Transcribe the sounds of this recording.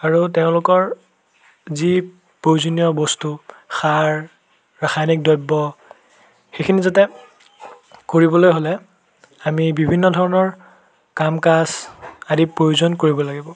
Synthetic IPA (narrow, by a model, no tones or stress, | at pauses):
aɹutɛʊ̃lʊkɔɹ | zi | pɹojzonijɔbɔstu | xaɹ | ɹaxajnik̚dɔjbːɔ | xekʰinizatɛ | koɹibɔlojɦolɛ | amibibʱinːɔdʱɔɹɔnɔɹ | kamkasadipɹojuzɔnkoɹibɔlaɡibɔ